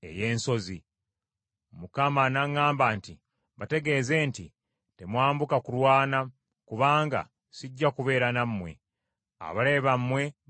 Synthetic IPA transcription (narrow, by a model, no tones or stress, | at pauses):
e̞̰je̞ːnso̞zi | mukamanaŋːaːmbaːnti | βate̞ɡe̞ːze̞ːnti | te̞mwaːmbukakulwaːna | kuβaːŋɡa̰ | siɟːakuβe̞ːɾanamːwe̞̰ | a̰βale̞βamːwe̞